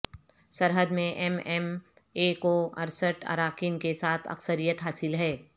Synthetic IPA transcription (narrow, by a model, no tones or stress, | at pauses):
sɐɾɦəd̪mẽʔɛmɛm | eːkoɐ̰ɾsəʈʰə̰ɾaːkinkesaːt̪ʰɐ̰ksəɾijət̪ɦaːsɪlɦɛː